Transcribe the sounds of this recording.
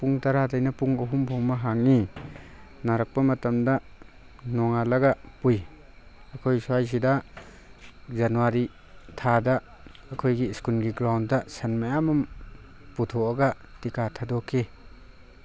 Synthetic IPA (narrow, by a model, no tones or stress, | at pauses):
puŋtɐɾadajnɐpuŋɐɦumbʰʱɔwmɐɦaŋi | naɾɐk̚pɐmɐtɐmdɐ | nɔŋalɐɡɐpuj | ɐkʰojsuajs̬idɐ | zanuwaɾi | tʰadɐː | kʰojɡiskulɡiɡɾawndɐsɐnmajamum | putʰoɐɡɐtikatʰadokʰːi